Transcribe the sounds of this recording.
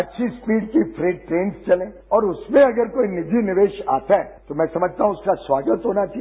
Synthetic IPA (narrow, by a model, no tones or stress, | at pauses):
ɐtːʃʰispiːɖkipʰɾeːɖʈɾeːnst͡ʃɐlẽ | ɔːɾʊsmẽɐɡəɾkoːinɪd͡ʒʱinɪʋeːʃa̰ːt̪aɦɛːt̪omɛ̃ːsɐməd͡ʒʱt̪aɦũʊskaswaːɡət̪ɦoːnat͡ʃa